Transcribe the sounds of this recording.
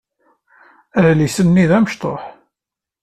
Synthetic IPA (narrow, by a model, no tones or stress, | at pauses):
æðlisənːiðæməʃt̪ˤo̰ħ